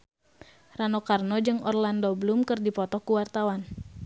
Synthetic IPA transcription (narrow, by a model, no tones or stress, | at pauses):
ranɔkarnɔd͡ʒɨŋɔ̰rlandɔbəlumkɨrdipɔt̪ɔkuwart̪awan